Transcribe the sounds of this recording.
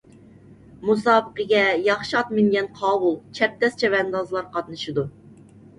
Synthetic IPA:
musɑːbəqəɡʲɛjɑχʃiɑt̪mɪŋɡʲɛnqʰɑːwulˠt͡ʃʰɛp̚t̪ɛst͡ʃʰɛvɛnd̪ɑzlˠɑɾqʰɑt̪̚nɨʃɨd̪u

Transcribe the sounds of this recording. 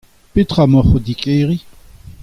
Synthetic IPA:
pet̪χamɔχod̪ikʼeːʁi

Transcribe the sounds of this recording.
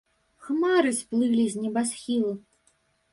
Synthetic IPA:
xmaɾɨsplˠɨlʲizʲnʲɛbasxʲilˠu

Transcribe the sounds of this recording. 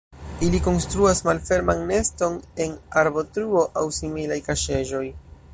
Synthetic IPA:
iliko̞nstɾuasmalfe̞ɾmanːe̞sto̞ne̞naɾbo̞tɾuo̞ʔawsimilajkaʃe̞ʒo̞j

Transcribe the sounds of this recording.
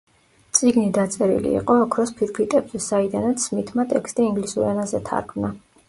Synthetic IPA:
t̪sʼiɡnid̪at̪sʼɛɾḭlḭːqʼɔːkʰɾɔspʰiɾkʰit̪ʼɛbzɛsaid̪anat̪smit̪ʰmat̪ʼɛkst̪ʼiiŋɡlisuɾɛnazɛt̪ʰa̰ɾkʰmna

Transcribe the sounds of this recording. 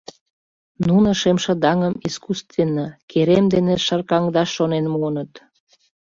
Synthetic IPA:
nunŏʃemʃə̆d̪ɑŋəmiskust̪venːəkʰeɾemd̪eneʃərkɑŋd̪ɑʃːonenmunət̪

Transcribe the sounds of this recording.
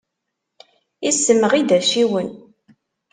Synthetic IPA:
isːəməʁid̪æʃiwən

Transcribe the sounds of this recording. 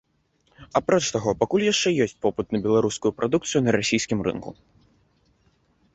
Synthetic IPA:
apɾɔt͡ʂt̪aɣɔpakulʲjaʂt͡ʂɛjɔsʲt͡sʲpɔpɨt̪nɐbʲɛlˠaɾuskʊjupɾad̪ukt̪sɨjunɐɾasʲijsʲkʲimrɨ̰nkṵ

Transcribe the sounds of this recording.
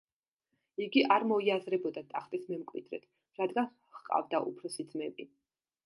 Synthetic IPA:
iɡiʔaɾmɔiazɾɛbɔd̪at̪ʼaχt̪ʼismɛmkʼwḭd̪ɾɛ̰t̪ʰ | ɾad̪ɡan | χqʼa̰vd̪aʔṵpʰɾɔsid̪zmɛbʼi

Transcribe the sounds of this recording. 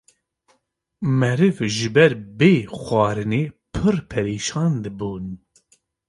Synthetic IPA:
mɛɾɨvʒɨbɛɾbeːxʷɑːɾɨneːpʰɨrpʰɛɾeːʃɑːnd̪ɨbuːn

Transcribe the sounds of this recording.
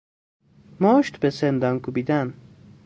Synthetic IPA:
mɔːʃt̪besend̪ɑŋkubid̪an

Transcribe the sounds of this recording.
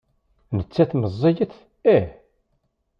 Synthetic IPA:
nət͡sːæθməzˤːijəθ | æ

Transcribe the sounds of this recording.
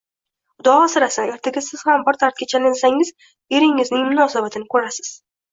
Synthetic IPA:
ʊd̪ɒɒsɪɾasae̞ɾt̪ʰaɡʲɪsɪz̥hambɪɾt̪ʰaɾt̪̚kʲat͡ʃʰalɪnsaŋɪz | e̞ɾɪŋːɪznɪŋmʊnɒsabat̪ʰɪnɪkʰɵɾasɪ̥z̥

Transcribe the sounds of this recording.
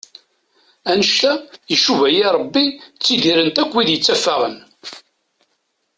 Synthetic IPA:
ænəʃt̪æjəʃuvæjiɾˤəbːit͡sːiðiɾənt̪ækʷːwiðjət͡sːæfːaʁə̰n

